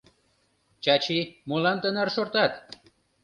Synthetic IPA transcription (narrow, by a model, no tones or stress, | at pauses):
t͡ɕɑt͡ɕimolɑnt̪ənɑrʃort̪ɑt̪